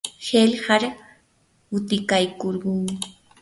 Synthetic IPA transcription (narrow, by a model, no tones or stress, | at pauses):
helhɑɾa | ʊt̪ɪkajkoɾɢʊŋmɪ